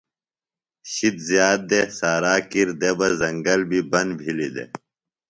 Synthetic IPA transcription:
ɕit̪zijaːt̪̚d̪esaːɾaːkiɾd̪ebɐzɐŋɡɐlbʱibɐnbʱilid̪ḛ

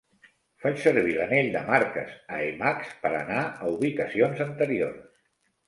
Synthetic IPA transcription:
fat͡ʃsəɾβiləneʎd̪əmaɾkə̰səemakspəɾə̰naəuβikəsionzənt̪əɾio̰rs

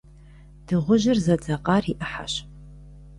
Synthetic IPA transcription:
d̥ɨʁʷʊʒɪrzɐd͡zʼɐqɑːriʔɨħa̰ɕ

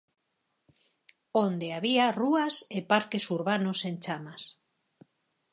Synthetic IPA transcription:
ond̪eaβiaruasepaɾkesuɾβanosent͡ʃamas

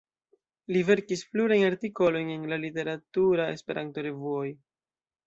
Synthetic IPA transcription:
live̞ɾkispluɾajaɾtiko̞lo̞jne̞nlalite̞ɾatuɾae̞̰spe̞ɾʔanto̞ɾe̞vuoj

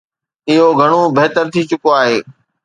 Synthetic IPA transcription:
ɪɦoɡʱɐɽ̃obeɦt̪əɾt̪ʰit͡ɕʊkoaːɦeː

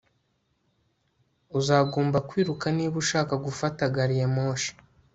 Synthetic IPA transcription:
uzaːɡoːmbakwiːɾukaniːβuʃaːkaɡufataɡaɾijemoːʃi̥

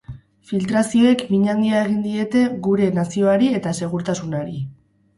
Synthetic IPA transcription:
filt̪ɾasio̞e̞kmiɲaŋɡiae̞ɣ̞ind̪ie̞t̪e̞ɡuɾe̞nasio̞aɾie̞t̪ase̞ɣ̞uɾt̪asunaɾi

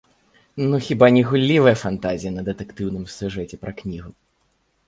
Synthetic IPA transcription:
nuxʲibanʲiɣulʲːivɐjɐfant̪azʲijɐnɐd̪ɛt̪ɛkt̪ɨwnɨmsʲuʐɛt͡sʲɛpɾɐknʲiɣʊ

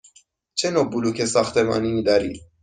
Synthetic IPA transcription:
t͡ʃʰɛnɔbulukʰɛsɑχt̪ʰɛmɑ̰ninid̪aɾḭ

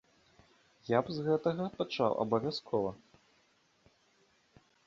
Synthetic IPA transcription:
jabzɣɛt̪ɐɣɐpat͡ʂa̰wʔɐ̰bɐvʲaskʰɔvɐ

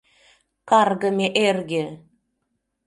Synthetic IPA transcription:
kɑrɡə̆meʔerɡʲe

